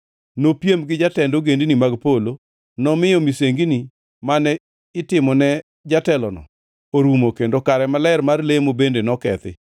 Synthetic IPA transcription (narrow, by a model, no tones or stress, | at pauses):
nopjemɡɪd͡ʒatɛndoɡendinimaɡpolo | nɔmɪjɔmiseŋɡini | manɛ | ɪtɪmɔnɛ | d͡ʒatɛlɔnɔ̰ | oɾumokendokaɾɛmalɛɛrmarlemobendenɔkɛ̰t̪ɪ̰